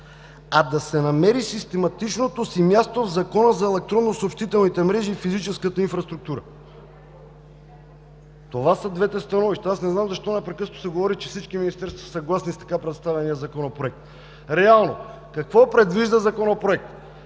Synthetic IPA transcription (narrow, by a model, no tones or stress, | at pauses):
ad̪ɐsɛnɐmɛɾisist̪ɛmɐt̪it͡ʃnot̪osimʲjast̪ovzɐkɔnəzɐɛlɛk̚t̪ɾɔnːosoːpʃt̪it̪ɛlˠnit̪ɛmɾɛʒiːfizit͡ʃɛskət̪əinfɾɐst̪ɾuk̚t̪uɾə | t̪ovasəd̪vɛt̪ɛst̪ɐnɔviʃt̪ɛasnɛznamzɐʃt̪ɔnɐpɾɛkɤsnosɛɡovɔɾit͡ʃɛfsit͡ʃkiminist̪ɛɾst̪vəsɐɡlˠasnist̪ɐ̥kapɾɛt̪st̪avʲɛnijəzɐkonɐpɾoɛk̚t̪ | ɾɛalˠno | kɐkvɔpɾɛd̪viʒd̪əzɐkonopɾoɛk̚t̪